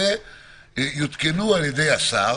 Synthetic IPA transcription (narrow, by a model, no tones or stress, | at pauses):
e | ejut̪kenualed̪easa